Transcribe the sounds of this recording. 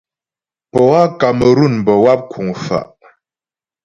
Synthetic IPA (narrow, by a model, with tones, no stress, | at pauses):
pɔ˨wa˦ka˨mə˨ɾu˦˨nm˨bə˨wa˦p̚kʰu˨ŋfa̰˨ʔ